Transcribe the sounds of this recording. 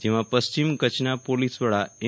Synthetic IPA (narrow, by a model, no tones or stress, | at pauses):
d͡ʒeʋãpəst͡ʃimkət͡ʃnapolisʋəɭae